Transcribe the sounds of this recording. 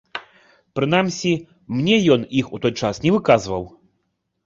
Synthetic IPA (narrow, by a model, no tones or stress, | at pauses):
pɾɨn̪amsʲi | mnʲɛjɔnixut̪ɔjt͡ʂasnʲɛvɨkazvɐw